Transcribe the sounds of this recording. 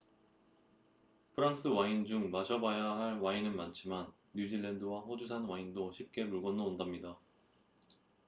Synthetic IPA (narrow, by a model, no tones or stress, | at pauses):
pʰɯɾaŋs͈ʰɯwaind͡ʑuŋmaɕʰʌbajaɦaɭwainɯnmant͡ɕʰimanːud͡ʑiɭːendɯwaɸod͡ʑusʰanwaindoɕʰip̚k͈e̞muɭɡʌnɯondamɲida